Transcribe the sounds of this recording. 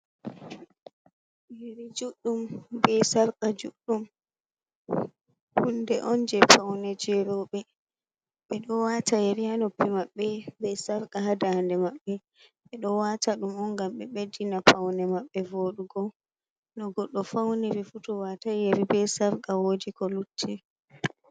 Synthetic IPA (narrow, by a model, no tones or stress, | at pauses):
ɾid͡ʒuɗːumbɛsaɾkad͡ʒuɗːum | hundɛʔɔnd͡ʒɛfawnɛd͡ʒɛɾɔɓɛ | ɓɛɗɔwatajeɾianopːimaɓːɛbɛsaɾkaɦadandɛmaɓːɛ | ɓɛɗɔwataɗumɔŋɡamɓɛɓedinapawnɛmaɓːɛvoɗuɡɔ | nɔɡɔɗːɔfawnɛbɛfutɔwatajeɾibɛsaɾkawodikɔlutʰːɛ